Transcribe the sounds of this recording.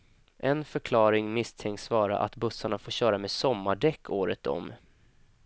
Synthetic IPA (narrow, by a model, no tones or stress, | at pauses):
ʔɛnfœɾkʰlɑːɾɪŋmɪst̪ʰɛŋk̪svɑːɾa̰ʔa̰t̪bɵsːaɳafoːɕœːɾameːsɔmːaɖɛkʰːoːɾət̪ɔ̰m